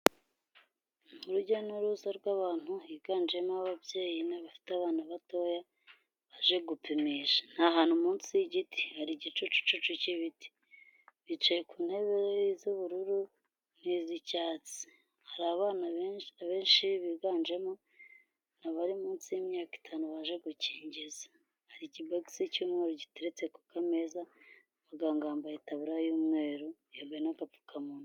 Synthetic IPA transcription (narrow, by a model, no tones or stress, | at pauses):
muɾuɟanuɾuzaɾɡwaːβaːn̥huiɡ̥aːnd͡ʒe̞moaβavje̞ːjinaβafi̥teaβaːnaβato̞ja | βaʒe̞ɡupimeʒḁn̥haɦaːnhumuːnsiiɟitʰi̥haɾiɟit͡ʃut͡ʃu̥t͡ʃut͡ʃuciβiti̥ | βit͡ʃejekuːnhe̞βeɾejizuβuɾuɾu | nizicaːt͡si̥ | haɾaβaːnaβaβe̞ːnʃiβiɡaːnd͡ʒe̞mo | naβaɾimuːnsijimjaːki̥tʰaːnuβaʒeɡuciːɲɟiza | haɾiciboksicuːmŋeːɾoɟiteɾet͡se̞ku̥kame̞ːza | βaɡaːŋɡaːmbajitaβuɾajuːmŋe̞ːɾojoːmbeenakafu̥kamunu